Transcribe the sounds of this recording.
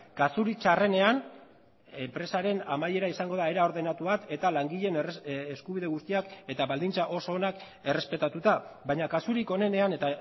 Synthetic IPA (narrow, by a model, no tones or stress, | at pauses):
kasuɾit͡ʃare̞ne̞an | empɾe̞saɾe̞namaje̞ɾaisaŋɡo̞ðae̞ɾao̞ɾðe̞nat̪uβat̪e̞t̪alaŋɡiʎe̞neskuβiðe̞ɣ̞ust̪iake̞t̪aβald̪int͡saʔo̞so̞ːnak | e̞re̞spe̞t̪at̪ut̪aβajɲakasuɾiko̞ne̞ne̞ane̞t̪a